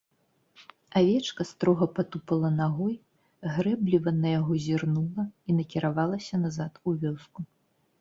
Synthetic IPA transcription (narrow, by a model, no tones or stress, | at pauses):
avʲɛt͡ʂkɐst̪ɾɔɣɐpat̪upɐlˠɐnaɣɔj | ɣɾɛblʲivɐnɐjaɣɔzʲirnulˠɐinɐkʲiɾʔavalˠɐsʲɐnazat̪uvʲɔsku